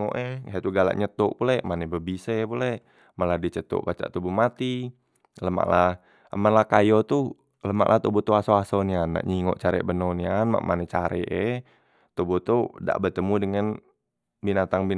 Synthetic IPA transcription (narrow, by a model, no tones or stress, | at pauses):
o̰ʔɛat̪uɡala̰ʔɲət̪ʊʔpulɛʔmanɛbəbisɛpulɛʔ | məladit͡ʃət̪ʊ̰ʔbat͡ʃa̰ʔt̪ubumat̪i | ləma̰ʔla | əmanlahkajot̪u | ləma̰ʔlaht̪ubɔt̪uasoasonianːa̰ʔɲiŋɔ̰ʔt͡ʃaɾɛ̰ʔbənonianma̰ʔmʔanɛt͡ʃaɾɛ̰ʔɛ | t̪ubut̪uda̰ʔbət̪əmudəŋan | binat̪aŋbi